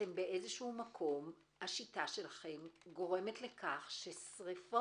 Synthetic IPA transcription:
embe̞ʔezeʃuumakʰo̞m | haʃitaʃe̞laχe̞mɡo̞ʁe̞me̞t̪le̞kaχʃe̞sʁifo

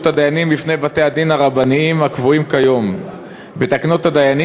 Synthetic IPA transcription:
t̪ad̪ajanimlifne̞jbat̪e̞ad̪inaʁabaniimakvuimkajo̞m | bet̪aknot̪ad̪ajani

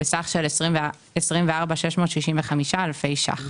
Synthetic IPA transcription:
besaχʃelesʁi | esʁimveaʁbaʃeʃmo̞ːt̪ʃiʃiɱveχamiʃaalfe̞jʃa̰χ

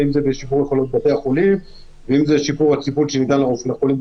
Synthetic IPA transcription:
imzebeʃipuʁjeχolot̪̚bat̪eaχolim | veimzeʃipuʁhat͡sipulʃenit̪anlaʁofneχolim

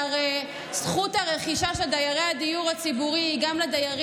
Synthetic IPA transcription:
ʁe | sχuthaʁe̞χiʃaʃeld̪ajaʁejad̪ijuʁhat͡sibuʁiiɡamlad̪ajaʁ

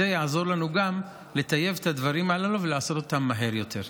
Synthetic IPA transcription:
ejaazo̞ʁlanuɡam | le̞t̪aje̞vet̪ad̪vaʁimalaluveleaso̞t̪o̞t̪amːaɦe̞ʁjo̞t̪ʰe̞ʁ

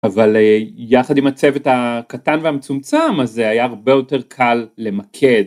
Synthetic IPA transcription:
avalejaχadimat͡sevetakatanvehamet͡sumt͡samazeajaːʁbe̞jo̞te̞ʁkʰalːe̞makʰed

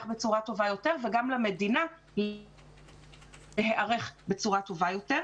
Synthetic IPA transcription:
χbet͡suʁato̞vajo̞te̞ʁveɡamlame̞dina | l | eɦeʔaʁe̞χbet͡suʁatovajo̞teʁ

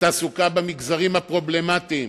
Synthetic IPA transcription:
t̪aːsukabamiɡzaʁimhapʁo̞ble̞mat̪iːm

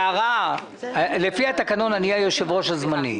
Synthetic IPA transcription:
aʁa | lefihat̪akano̞nanijajoʃevʁo̞ʃazmanḭ

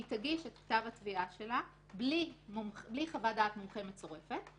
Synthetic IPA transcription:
itaɡiʃetktavhatviaʃe̞la | blimmbliχavadaːtmumχemett͡so̞ʁe̞fe̞t

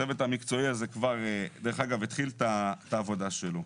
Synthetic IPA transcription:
evet̪amikt͡so̞iazekvaʁed̪eʁeχaɡavet̪χilt̪at̪aːvo̞d̪aʃelo

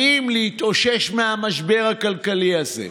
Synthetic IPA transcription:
imleit̪oʃe̞ʃmeamaʃbe̞ʁakalkaliazḛ

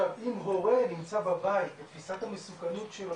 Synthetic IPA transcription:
avimʁoʁenimt͡sababait̪̚et̪fisat̪hamesukɐnut̪ʃel

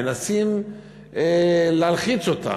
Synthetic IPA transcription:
enasim | elealχit͡sot̪a̰

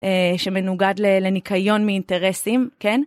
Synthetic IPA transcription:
ʔeʃe̞me̞nuɡadlele̞nikʰajo̞nmiːnte̞ʁesimke̞n

